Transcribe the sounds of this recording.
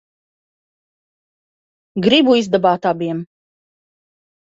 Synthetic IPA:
ɡɾibuizd̪abɑːt̪abiɛm

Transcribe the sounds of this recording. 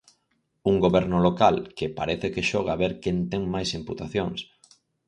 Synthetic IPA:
uŋɡoβɛɾnʊlokalkepaɾeθekeʃɔɣaβeɾkent̪ɛŋmajsimput̪aθjoŋs

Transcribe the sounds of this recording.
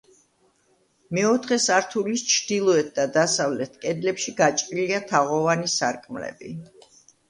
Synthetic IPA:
mɛɔt̪ʰχɛsaɾt̪ʰulist͡ʃʰd̪̥ilˠɔɛt̪̚ʰd̪ad̪asavlɛt̪ʰkʼɛd̪lɛpʃiɡat͡ʃʼɾiliat̪ʰaʁɔvanisaɾkʼmlɛ̰bḭ

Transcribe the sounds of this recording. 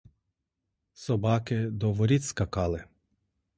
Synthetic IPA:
sɔbɑkɪd̪ɔʋɔɾʲitʲskɐkɑlˠɪ

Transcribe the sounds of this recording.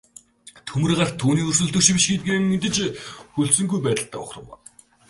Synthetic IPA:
t̪ʰɵmɘ̆rɢar̥t̪ʰuːniːɵr̥sɵ̆ɮt̪ɵ̆kʃpiʃɡet̪̚ɡeːŋet̪ɘ̆t͡ɕxɵɮsɵ̆ŋɡujpæːt̪ə̆ɬt̪ʰæːʊ̰χrə̆wa̰

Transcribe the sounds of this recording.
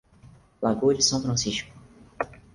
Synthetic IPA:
laɡod͡ʒɪsɐ̃w̃fɾɐ̃siʃkʊ̥

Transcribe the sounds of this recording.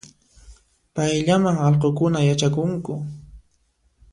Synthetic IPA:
pajʎamaŋɑlqokʊnajat͡ʃakʊŋkʊ

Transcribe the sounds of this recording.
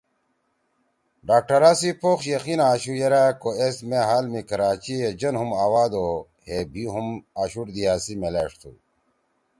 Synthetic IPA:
ɖaːk̚ʈɐɾaːsipʰoːxɕjɐxinaːɕujeɾakoesmeɦaːlmikɐɾaːt͡ɕied͡ʑɐnɦumaːwaːd̪o | hebʱiɦumaːɕuʈd̪iaːsimeleːʂt̪ʰṵ

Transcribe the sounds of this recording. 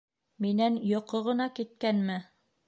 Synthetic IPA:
minænjŏqoʁɤ̆nɑkit̪̚kænmɘ

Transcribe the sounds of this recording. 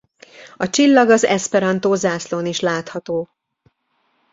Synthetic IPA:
ɒt͡ʃilːɒɡɒzɛspɛɾɒnt̪oːzaːsloːniʃlaːt̪hɒt̪oː

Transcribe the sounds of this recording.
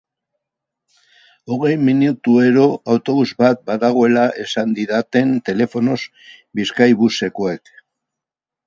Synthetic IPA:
o̞ɣ̞e̞jminut̪ue̞ɾo̞awt̪o̞βuzbat̪̚baðaɣ̞o̞e̞laʔe̞sand̪iðat̪e̞nt̪e̞le̞fo̞no̞z | biskajβuse̞ko̞e̞k

